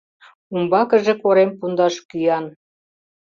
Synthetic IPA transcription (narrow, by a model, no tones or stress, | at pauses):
umbɑkə̆ʒĕkoɾempund̪ɑʃkyjɑn